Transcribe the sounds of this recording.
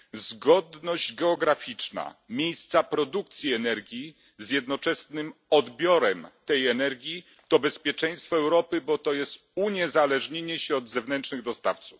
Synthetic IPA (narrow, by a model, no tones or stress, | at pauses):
zɡɔd̪nɔʑd͡ʑɡɛɔɡɾafʲit͡ʂna̰mʲjejst̪sapɾɔd̪uk̚t̪sʲjiɛnɛɾɡʲji | zjɛd̪nɔt͡ʂɛsnɘmɔd̪bʲjɔɾɛmt̪ɛjɛnɛɾɡʲji | t̪ɔbɛspʲjɛt͡ʂɛ̃j̃st̪fɔɛwɾɔpɘbɔt̪ɔjɛst̪uɲɛzalɛʐɲeɲɛɕɛɔd̪zɛvnɛnt͡ʂnɘɣd̪ɔst̪aft̪su̥f